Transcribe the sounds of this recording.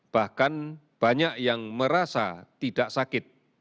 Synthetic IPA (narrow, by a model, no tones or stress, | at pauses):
b̥ahkan | b̥aɲaʔjaŋməɾasa̰t̪id̥aʔsakɪt̪̚